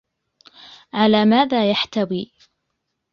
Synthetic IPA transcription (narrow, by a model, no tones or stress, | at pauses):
ʕalaːmaːðaːjaħt̪awiː